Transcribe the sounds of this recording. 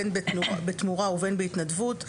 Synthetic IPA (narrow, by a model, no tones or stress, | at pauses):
nbbet̪muʁauvenbeit̪nadvut